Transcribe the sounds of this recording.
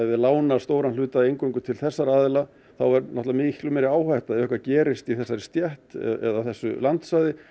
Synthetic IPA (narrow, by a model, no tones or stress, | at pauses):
ajðɪlaːwnaɾst̪oːwɾanlʏːt̪aðejŋkoŋkʏt̪ʰɪlθɛsːaɾaːðɪla | θawɛɾnɔt̪avamɪhklʏmɛɾɪaːwhajht̪aðœhkvacɛːɾɪst̪iθɛsːaɾɪ̥st̪jɛht̪ɛ̰ðaθɛsːʏ̰lant̪sajðɪ